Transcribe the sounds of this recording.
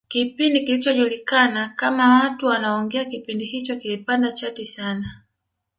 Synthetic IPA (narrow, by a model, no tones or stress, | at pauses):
kipindikilit͡ʃɔʄulikanakamawatuwanaɔŋɡɛakipindihit͡ʃɔkilipandat͡ʃatisana